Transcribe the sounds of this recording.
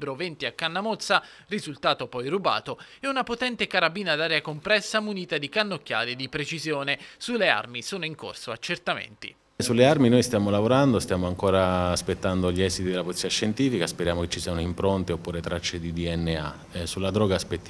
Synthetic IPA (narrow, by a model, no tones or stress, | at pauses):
bɾovent̪iakːanːamɔt̪sːa | rizult̪aːt̪opɔjruba̰ːt̪oɛunapot̪ɛnt̪ekaɾabiːnad̪aːɾeakompɾɛsːamuniːt̪ad̪ikanːokːja̰ːlid̪ipɾet͡ʃizjoːnesulːea̰rmisoːnoiŋko̰rsoa̰t͡ʃːert̪amḛnt̪ḭ | sulːearminojst̪jaːmolavoɾand̪ost̪jaːmoaŋkoːɾaːspet̪ːand̪oʎiɛzit̪id̪elapolit̪siːaʃːent̪iːfikaspeɾjaːmoket͡ʃːisiːanoimpɾont̪eopːuːɾet̪ɾat͡ʃːed̪id̪iɛnːea̰ | sulːad̪ɾɔːɡaspet̪ː